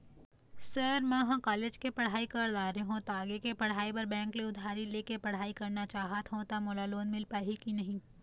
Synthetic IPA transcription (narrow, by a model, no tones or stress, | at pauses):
sɐɾmɛ̃ɦãkaːleːd͡ʒkepɐɽ̤aːikɐɾd̪aːɾeɦõt̪aːɡekepɐɽ̤aːipɐɾbɛ̃ːŋkleʊd̪ʱaːɾileːkepɐɽ̤aːikɐɾnat͡ʃaːɦət̪ɦõt̪amoːlaloːnmɪlpaːɦikinɐɦĩ